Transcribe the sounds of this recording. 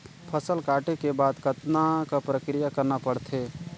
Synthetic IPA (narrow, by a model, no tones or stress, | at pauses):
pʰəsəlkaːʈekebaːd̪kət̪nakapɾəkɾijakəɾnapəɽt̪ʰe